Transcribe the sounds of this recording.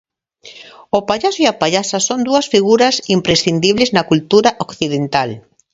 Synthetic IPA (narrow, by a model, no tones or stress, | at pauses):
ʊpaʎasʊiapaʎasɐsond̪uɐsfiɣuɾɐsimpɾesθind̪iβleznɐkult̪uɾaʔokθiðent̪al